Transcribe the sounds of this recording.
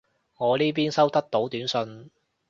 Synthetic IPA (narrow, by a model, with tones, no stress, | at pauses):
ŋɔː˨˧liː˥p̬iː˥nsɐ˥wt̪ɐ˥k̚t̪o˨˥wt̪yː˨˥nsɵ˧n